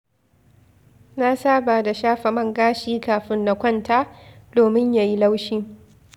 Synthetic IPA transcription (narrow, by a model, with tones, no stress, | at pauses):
na˦saː˦baː˨da˨ʃaː˦ɸa˨mɐ˦ŋɡaː˦ʃiː˦kaː˨ɸɪ˦nːa˨kʷɐ˦˨nta˦doː˨mɪ˦ɲja˨ji˦la˦wʃiː˦